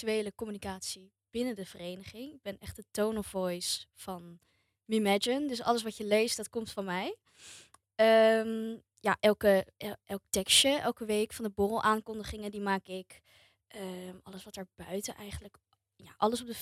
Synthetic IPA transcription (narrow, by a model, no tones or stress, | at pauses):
tyʋejləkɔmynikaːtsi | b̥ɪnəndəv̥ərejnəχɪŋɪɡ̚bɛnɛχtətownɔfvɔjsfɑn | mimɛd͡ʒəndɵsɑ̰ləs̬ʋɑtjəlejstdɑtkɔmtfɑnmɛj | əm | ja̰ʔɛlˠkəʔɛlˠk̚tɛksəʔɛlˠkəʋejkfɑndəbʊrəlˠʔaːŋkɔndəχɪŋəndimaːkɪk | ʔəmʔɑləsʋɑtɛːɹbœɥtənʔɛjχənlək | ja̰ːʔɑləsɔb̚də